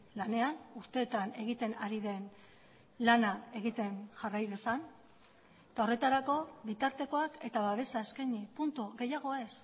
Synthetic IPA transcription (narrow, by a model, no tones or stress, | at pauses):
lane̞anust̪e̞ːt̪ane̞ɣ̞it̪e̞naɾiðe̞n | lanae̞ɣit̪e̞nʝarajðesan | et̪ao̞re̞t̪aɾako̞βit̪aɾt̪e̞ko̞ake̞t̪aβaβ̞e̞saeskeɲipunt̪uɣe̞jaɣ̞o̞e̞s